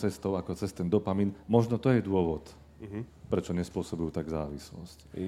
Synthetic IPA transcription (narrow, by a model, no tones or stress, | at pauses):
t͡sɛst̪ɔʊakɔt͡sɛst̪ɛnd̪ɔpaminmɔʒnɔt̪ɔjɛd̪ʊɔʋɔt̪ | pɾɛt͡ʃɔɲɛspʊɔsɔbujut̪aɡzaːʋislɔ̰sc